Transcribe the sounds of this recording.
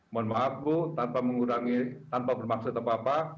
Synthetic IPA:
mɔnmaːp̪̚bot̪anpaməŋuɾaŋit̪anpabərmaksʊt̪apapa

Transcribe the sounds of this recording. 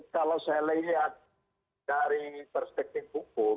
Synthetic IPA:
kalawsajaləŋɡiɦa | aɾipərspɛk̚t̪ɪfɦuk̚ʊ

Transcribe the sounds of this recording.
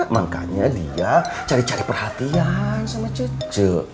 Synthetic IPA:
maŋka̰ɲadḭat͡ʃaɾit͡ʃaɾipərhat̪iansəmat͡ʃəd͡ʒə

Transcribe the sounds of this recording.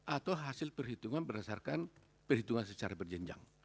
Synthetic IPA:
ʔat̪awɦasɪlpərɦit̪uŋanbərdasarkan | pərhit̪uŋansət͡ʃaɾabərd͡ʒəɲd͡ʒa̰ŋ

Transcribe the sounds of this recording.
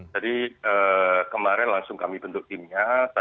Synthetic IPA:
d͡ʒadiəːkəmaɾɛnlaŋsʊŋkamibənt̪ʊk̚t̪ɪmɲasa

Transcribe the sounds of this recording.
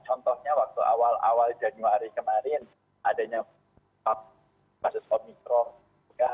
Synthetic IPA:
t͡ʃɔnt̪ɔhɲawak̚t̪uʔa̰wala̰wald͡ʒanuaɾikəmaɾɪn | ʔadaɲa | pap̚ | basʊsomikɾɔ | tuɡa

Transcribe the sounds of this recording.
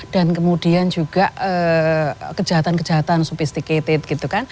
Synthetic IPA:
d̥ankəmud̥iand͡ʒuɡ̥aʔə | kəd͡ʒ̥aɦat̪ankəd͡ʒ̥aɦat̪ansufist̪iket̪et̪̚ɡ̥it̪ukan

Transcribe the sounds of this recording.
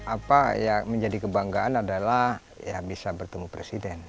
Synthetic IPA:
ʔapajaməɲd͡ʒadikəbaŋɡaanadalah | jabisabərt̪əmupɾesidɛn

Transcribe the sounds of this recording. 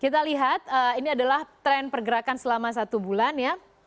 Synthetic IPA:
kit̪aliɦat̪̚əiniadalaht̪ɾɛnpərɡəɾakansəlamas̬at̪ubulanja

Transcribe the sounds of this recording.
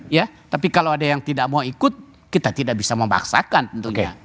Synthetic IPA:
jat̪apikalowadajaŋt̪idaʔ̚mauikʊt̪̚ | kit̪at̪idaʔbisaməmba̰ksa̰kant̪ənt̪uɲa̰

